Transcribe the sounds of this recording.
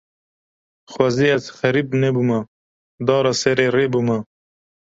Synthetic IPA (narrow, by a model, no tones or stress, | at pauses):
xwɐziɐt͡sxɐɾibnebuma | d̪ɑːɾɐseɾeɾebuma